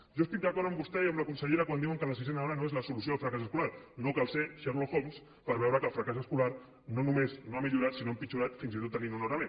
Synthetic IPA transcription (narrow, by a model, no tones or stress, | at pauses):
ʒoest̪ik̚d̪əkɔɾðəmbust̪ɛiəmləkunsəʎeɾəkwand̪iwəŋkələs̬izɛnaɔɾənoezləsulus̬joəlˠfɾəkasəskulaɾnokalˠseʃɛɾloxoms | pəɾβɛwɾəkəlˠfɾəkasəskulaɾ | nonumeznoamiʎuɾat̪sinoəmpit͡ʃuɾat̪finzit̪ot̪ːəninunoɾame